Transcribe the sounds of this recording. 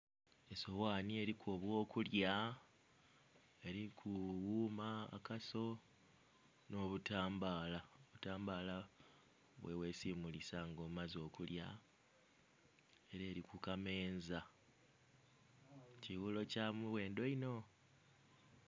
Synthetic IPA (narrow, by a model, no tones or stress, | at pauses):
e̞so̞waːnie̞ɾikʰoβwo̞ːkulja | eɾikʰuwuːma̰ːkaso̞ | no̞ːβutaːmbaːlaoβutaːmbaːla | βwe̞we̞ːsimulisaŋɡo̞ːmumazo̞ːkulja̰ | e̞ɾe̞ːɾikukame̞ːnza | ciwulo̞camuβwe̞ːndo̞ino̞